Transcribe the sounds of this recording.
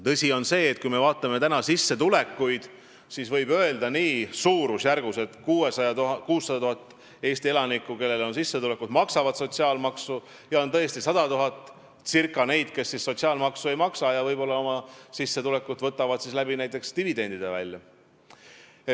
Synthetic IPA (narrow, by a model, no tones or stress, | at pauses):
t̪ɤsʲio̞nse̞ːt̪̚kujme̞vɑːt̪ˑːɑme̞t̪ænɑsisːe̞t̪ule̞kˑːujd̪̥ | sisvɤjbø̞e̞ld̪ɑniːsuːɾusjærɡ̥use̞t̪kuːesɑɑkuːsːɑd̪ɑt̪uhɑt̪ːˑ | e̞ːsʲt̪ie̞lɑnikːˑuke̞lːe̞lo̞nsisːe̞t̪ule̞kːˑud̪̥mɑksɑvɑd̪̥so̞t̪ʲsiɑːlmɑksu | jɑo̞nt̪ɤest̪isɑd̪̥ɑt̪uɦɑt̪ːˑ | sirkːˑɑne̞jd̪̥ke̞sːisːo̞t̪ʲsiɑːlmɑksue̞jmɑksɑjɑvɤjbo̞lːɑo̞mɑsisːe̞t̪ule̞kːud̪vɤt̪ːˑɑvɑd̪sislæbinæjt̪ːˑe̞kst̪ivid̪e̞nd̪̥id̪evæ̰lʲjɑ